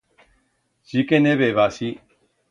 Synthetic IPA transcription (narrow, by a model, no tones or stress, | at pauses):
d͡ʒikɛnɛ̃βɛβasi